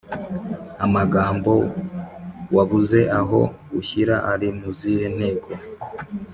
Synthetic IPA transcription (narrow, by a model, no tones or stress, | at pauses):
amaɡaːmbo̞ | waβuze̞ʔaɦo̞ɡuçiɾaʔaɾimuziɾen̥he̞ːɡo